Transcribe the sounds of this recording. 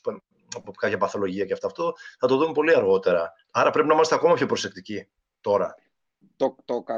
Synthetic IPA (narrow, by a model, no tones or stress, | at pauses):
p | pokɐçɐpɐθo̞lo̞ʝiɐceɐft̪ɐːft̪o̞θɐt̪oðumepo̞liɐɾɣo̞t̪e̞ɾɐ | ɐɾɐpɾe̞pinɐimɐst̪eɐko̞mɐpço̞pɾose̞k̚t̪ici | t̪o̞ɾɐ | t̪ot̪o